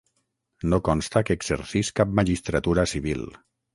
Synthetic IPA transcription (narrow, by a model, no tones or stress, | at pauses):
nokɔnst̪akəeːɡzeɾsiskap̚maʒist̪ɾat̪uɾasiβ̞il